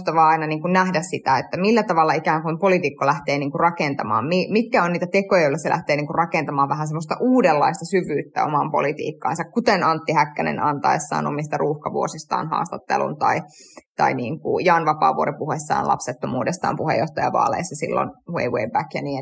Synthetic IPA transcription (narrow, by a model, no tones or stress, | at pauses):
st̪ɑʋɑɑinɑniːŋkunnæhdæssit̪æet̪ːæmilːæt̪ɑʋɑlːɑikæːŋkumpolit̪ikːolæht̪eːniːŋkurrɑkent̪ɑmɑːmmimit̪kæonniːt̪æt̪ekojɑjolːɑselæ̰ht̪eːniːŋkurɑkent̪ɑmɑːʋʋæhænsemːost̪ɑʔuːdelːɑist̪ɑsyʋyːt̪ːæ̰o̰mɑmpo̰lit̪ḭːkːɑ̰ːnsɑkkut̪enɑnt̪ːihækːænḛnʔɑnt̪ɑesːɑ̰ːno̰mist̪ɑrʔuːhkɑʋuosist̪ɑ̰ːnhɑ̰ːst̪ɑt̪ːḛlṵnt̪ɑit̪ɑiniːŋkṵjɑnʋɑpɑ̰ːʋuoɾipuhesːɑ̰ːnlʔɑ̰pset̪ːomuːdest̪ɑ̰ːmpuhḛjːoht̪ɑjɑʋɑ̰ːlḛisːɑsḭlːo̰nwḛiweibækjɑ̰niː